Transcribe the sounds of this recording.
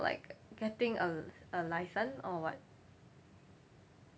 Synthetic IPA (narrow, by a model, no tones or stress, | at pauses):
lʔa̰ɪkɡ̥ɛtɪ̃ŋəəlaɪsə̃nɔwɔ̰t̚